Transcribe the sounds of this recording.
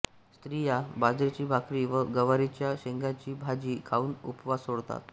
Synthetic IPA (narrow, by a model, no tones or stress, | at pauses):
st̪ɾijabad͡zɾet͡ɕiːbʱakɾiʋəɡəʋaɾit͡ɕjaɕeŋɡat͡ɕiːbʱad͡ʑiːkʰauːnupʋasoɽt̪a̰t̪̚